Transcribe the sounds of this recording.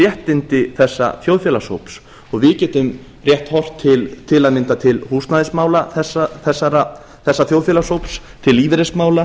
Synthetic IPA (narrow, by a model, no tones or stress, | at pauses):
jɛht̪ɪnt̪ɪθɛsːa̰θjowðfjɛlaso̰wps | ɔɣvɪcɛːt̪ʏm | rjɛht̪hɔr̥t̪ʰːɪlt̪ʰɪlaðmɪnt̪at̪ʰɪlhuːst̪naðɪsmaːwlaθɛsaθɛsːaɾa | θɛsːaθjowðfjɛlasowps | t̪ʰɪliːvɪɾɛsmaːwla